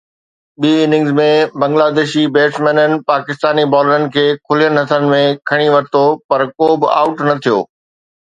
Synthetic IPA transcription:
ɓiːɪnɪ̃ŋzmẽbɐ̃ŋɡlaːd̪eːʃibeːsmɛ̃ːnənɪ̆paːkɪst̪aːnibɔːləɾənɪ̆kʰeːkʰʊlijənɦɐt̪ʰənɪ̆mẽkʰɐɽ̃iʋɐɾt̪opɐɾkoːbɪa̰ːʊʈnɐt̪ʰijo̰ː

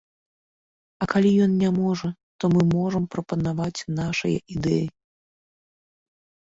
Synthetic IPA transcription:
ɐkalʲijɔnnʲamɔʐɐ | t̪ɔmɨmɔʐɐmpɾɐpɐnavat͡sʲnaʂɐ̰jɐ̰ʔid̪ɛji

